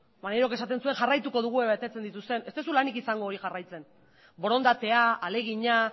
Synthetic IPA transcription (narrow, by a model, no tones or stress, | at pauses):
maneɾokesat̪e̞nsueŋxarajt̪uko̞ð̞uɣ̞ue̞βet̪e̞t͡se̞nd̪it̪ust̪e̞ne̞st̪e̞sulanikisaŋɡo̞ːɾixarajt͡se̞n | bo̞ɾo̞nd̪at̪e̞aale̞ɣ̞iɲa